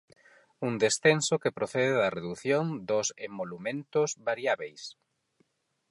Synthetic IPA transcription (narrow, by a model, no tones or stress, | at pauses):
und̪esθensokepɾoθɛðeðɐreðuθjõŋd̪osemːolumẽnt̪ʊzβaɾjaβejs